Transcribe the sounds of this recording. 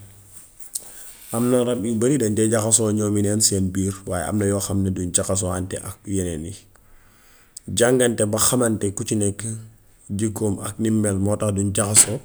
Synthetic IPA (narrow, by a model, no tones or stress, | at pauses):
ʔɐmnɐɾɐbibɐɾidɐntɛɟakɐsɔːɲɔːminɛnsɛːnbiːɾwaːjɛ̰ɐ̰mnɐjɔːxɐmnɐdund͡ʒakɐs̬ɔantɛ̰ʔɐk̚jenɛni | ɟaŋɡɐntɛbɐxɐmɐntɛkut͡ʃinɛkː | ɟikoːmɐ̰k̚nimːɛlmɔːtɐxduɲɟakɐsɔ